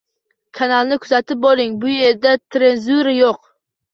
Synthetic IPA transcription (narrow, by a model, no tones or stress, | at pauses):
kʰanalˠnɪkʰʊzat̪ɪp̚bolˠɪŋbʊjeɾd̪at̪ʰɾenzuɾajoq